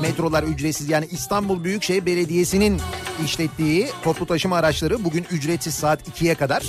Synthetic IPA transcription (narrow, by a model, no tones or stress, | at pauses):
mɛt̪ɾo̞lˠaɾyd͡ʒɾet̪sizjaːniʔːst̪ʰanbulˠbyjycʃejbe̞lʲed̪ije̞sininiʃlʲɛt̪ːiːt̪ʰo̞plˠut̪ʰaʃɯmaːɾat͡ʃlˠaɾɯbuɟynyd͡ʒɾɛt̪sizsaːt̪ʰicʰijɛkad̪aɾ̥